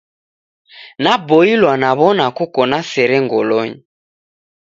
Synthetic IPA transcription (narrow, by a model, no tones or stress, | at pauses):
nabɔilwanaβɔnakɔkɔnasɛɾɛŋɡɔlɔɲi